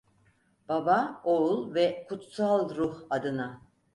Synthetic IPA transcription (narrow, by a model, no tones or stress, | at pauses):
b̥abaoulˠvɛkʰut̪salˠɾuhad̪ɯna